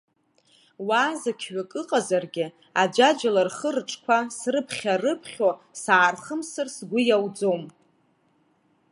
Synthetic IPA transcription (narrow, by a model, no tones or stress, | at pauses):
waːzakʲʰɥakʼɨqʼazarɡʲɪ | ad͡ʒʷad͡ʒalarχərʈ͡ʂʼkʷʰasrɨpʰχʲarɨpʰχʲosaːrχəmsɨrsɡʷʊjawd͡zo̞m